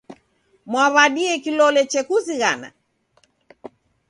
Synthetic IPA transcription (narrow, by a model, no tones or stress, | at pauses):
mwaβaɗiɛkilɔlɛt͡ʃɛkuziɣa̰na̰